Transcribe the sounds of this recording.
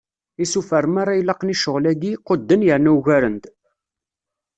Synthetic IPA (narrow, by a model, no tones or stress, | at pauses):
isufæɾəmaɾajlɑqniʃəʁlæɡiqəd̪ːənjəɾnæuʝæɾənt̪